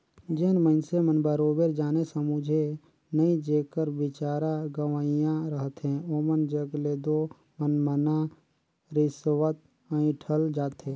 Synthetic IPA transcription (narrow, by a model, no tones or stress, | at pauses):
d͡ʒɪnməɪnsemənbəɾoːbeːɾd͡ʒaːnesəmud͡ʒʱe | nəĩd͡ʒeːkəɾbɪt͡ʃaːɾaɡəʋaːijãɾəɦət̪ɦɛ̃oːmənd͡ʒəɡleːd̪o | mənməna | ɾɪswət̪ | əĩʈʰəld͡ʒaːt̪ɦẽː